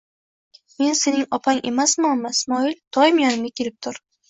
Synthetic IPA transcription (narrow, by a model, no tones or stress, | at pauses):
me̞nse̞nɪŋɒpʰaŋʔe̞masmamasmɒɪlt̪ʰɒjɪmjɒnɪmɡ̪akʲʰe̞lɪp̚t̪ʰʊɾ